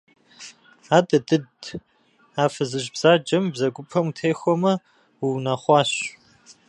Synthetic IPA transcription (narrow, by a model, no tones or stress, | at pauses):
aːdʼɐdɨd | aːfɨzɨʒbz̥aːd͡ʒʼɐmbzɐɡʷʊpʰɐmutʰeːxʷɔmɐ | wiwnaχʷɑːɕ